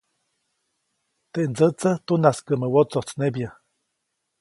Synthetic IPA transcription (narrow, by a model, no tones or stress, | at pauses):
t̪eʔnd͡zəʔt͡sət̪unaskəʔməwot͡sot͡snebjə